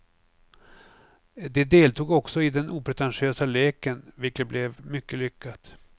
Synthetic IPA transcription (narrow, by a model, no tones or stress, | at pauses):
d̪ɛd̪eːlt̪uːɡɔksɔɪd̪ɛnʔuːpʰɾɛt̪ɛnɧɪøːsalɛːkənvɪlkət̪̚blɛvmʏkːəlʏkːat̪